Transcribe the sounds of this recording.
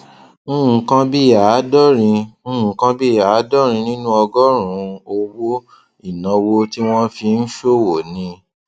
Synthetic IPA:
kã˧bi˦˨ja˨˦dɔ˦ɾĩ˧˦˧kã˧bi˦i˨ja˨˦dɔ˦ɾ̃ĩ˧nĩ˦nũ˦ɔ˧ɡɔ˦ɾ̃ũ˨˦o˧wo˦ | i˦˨nã˨˧wo˧ti˦w̃ɔ̃˦fi˧n̩˦ʃo˦wo˨nĩ˧

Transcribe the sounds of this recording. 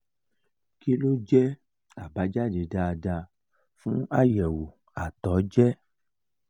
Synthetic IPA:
ki˦lo˦d͡ʒɛ˦ | a˨ba˨˦d͡ʒa˦˨d͡ʒe˨˦da˧da˧ | fũ˦a˦˨jɛ˨wo˨ | a˨tɔ˨˦d͡ʒɛ˦

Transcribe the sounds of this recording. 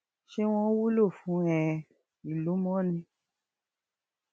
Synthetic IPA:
ʃe˧w̃ɔ̃˧˦wu˦lo˦˨fũ˨˦ɛ̃˧ | i˨lu˨˦mɔ̃˦nĩ˧

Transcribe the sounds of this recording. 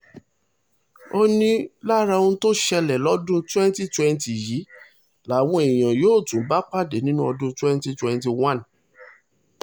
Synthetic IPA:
o˧nĩ˦la˦ɾa˧ũ˦to˦ʃɛ˧lɛ˨lɔ˦dũ˦twɛ̃˦n˦ti˦twɛ̃˧nti˨jiː˨˦ | la˨˦˨wɔ̃˧˦e˨j̃ã˨joː˦˨tũ˨˦ba˦k͡pa˦˨de˨nĩ˦nũ˦ɔ˧dũ˦twɛ̃˦n˦ti˦twɛ̃˧nti˧wã˦˨n

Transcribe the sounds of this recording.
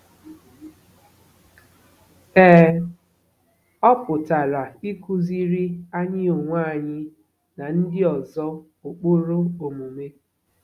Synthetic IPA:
ɛː˦ | ɔ˦pʊ˨ta˨la˨i˦ku˦zi˦ɾi˦a˦ɲɪ˦o˨ŋʷa˦˨ɲɪ˦ | na˨n̩˦dɪ˦ɔ˨zɔ˦ | o˨k͡po˦ɾo˦o˨mu˨me˦

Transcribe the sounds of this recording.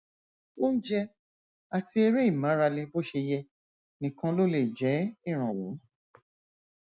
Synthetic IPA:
wo˦n̩˦d͡ʒɛ˦ | a˧ti˧˦e˧ɾe˦i˦˨mã˨˦ɾa˧le˧bo˦ʃe˧jɛ˧ | nĩ˨kã˧lo˦le˦˨d͡ʒɛ˨˦i˦˨ɾ̃ã˨wo̰˨˦

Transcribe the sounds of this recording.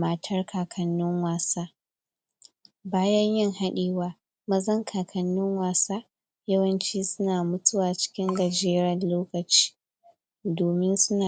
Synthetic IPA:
mɐ˦tʰɐ˦rkʰaː˨kʰɐ˨nːʊ˦ŋwaː˨saː˦ | baː˦jɐ˦ɲjɪ˦ŋha˦ɗiː˨waː˦ | mɐ˦zɐ˦ŋkʰaː˨kʰɐ˦nːʊ˦ŋwaː˨saː˦ | jɐ˦wɐ˦nt͡ʃiː˦sʊ˦naː˨mʊ˦tʊ˦waː˨t͡ʃɪ̥˦kʲɪ˦ŋɡɐ˨d͡ʒeː˦ɾɐ˨loː˦kɐ˨t͡ʃi̥ː˦ | doː˨mɪ˦nsʊ˦naː˨

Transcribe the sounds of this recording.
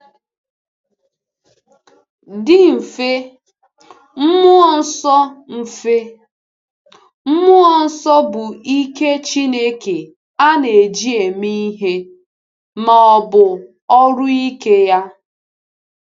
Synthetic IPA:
dɪ˦m̩˨fe˦ | m̩˦mʊ˦ɔ˨n̩˦sɔ˦m̩˨e˦ | m̩˦mʊ˦ɔ˦n̩˦sɔ˦bʊ˨ʔi˦ke˦t͡ʃi˦ne˦ke˨ | a˦ne˨d͡ʒi˦e˨mi˦i˦ɦe˦ | ma˨ɔ˨bʊ˨ | ɔ˦ɾʊ˦i˦ke˦ja˦

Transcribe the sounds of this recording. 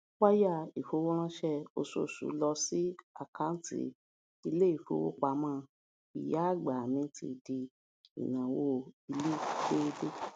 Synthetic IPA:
wa˦ja˦˨i˨fo˨˦wo˦ɾ̃ã˦ʃɛ˦o˧so̰˦˨sṵ˨˦lɔ˧si˦a̰˦˨kã˦n˦tḭ˦ | i˧le˦i˦˨fo̰˨˦wo̰˦k͡pa˧˦mãː˦˧ | ḭ˨ja˦a˦˨ɡ͡ba˨mĩ˧˦ti˧˨di˧ | ḭ˨nã˨wo˦˧i˧le˦ʃe˦˧de˦

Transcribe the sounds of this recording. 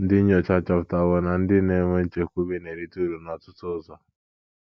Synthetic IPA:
n̩˦di˦ɲɔ˨t͡ʃa˦t͡ʃa˨fta˨βɔ˨na˨n̩˦di˦ne˦ŋʷe˦n̩˦t͡ʃe˨ku˦βi˦ne˨ɾi˦tu˦ɾu˨na˨tu˦tɔ˦zɔ˦

